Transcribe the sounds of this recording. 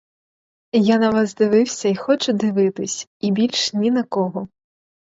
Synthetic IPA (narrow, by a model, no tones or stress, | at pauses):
janɐʋɑzd̪ɪʋɪwsʲɐixɔt͡ʃʊd̪ɪʋɪt̪ɪsʲibʲilʲʃnʲinɐkɔɦɔ